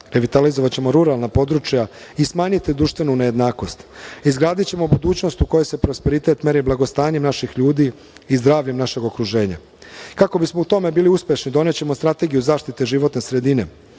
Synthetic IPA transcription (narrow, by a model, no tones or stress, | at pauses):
ɾeʋit̪alizoʋat͡ɕe̞mo̞ɾuɾalnapo̞d̪ɾut͡ʃjaismaːɲit̪id̪ɾuʃt̪ʋe̞nuneje̞d̪naːko̞st̪izɡɾaːd̪it͡ɕe̞mo̞bud̪uːt͡ɕno̞st̪uko̞jese̞pɾospe̞ɾit̪e̞t̪meɾiblaɡo̞st̪aːɲe̞mnaʃixʎuːd̪iː | zd̪ɾaːʋʎe̞mnaʃe̞ɡo̞kɾuʒe̞ːɲa̰ | kako̞bismo̞ut̪o̞me̞biːliuspje̞ʃnid̪o̞ne̞t͡ɕe̞most̪ɾat̪e̞ɡijuzaːʃt̪it̪eʒiʋo̞t̪ne̞sɾe̞d̪ine̞